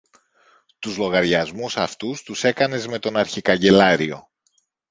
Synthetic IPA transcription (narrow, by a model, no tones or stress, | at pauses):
t̪uzlo̞ɣɐɾʝɐzmusɐft̪ust̪use̞kɐne̞zme̞t̪o̞nɐɾçikɐɲɟe̞lɐɾio̞̰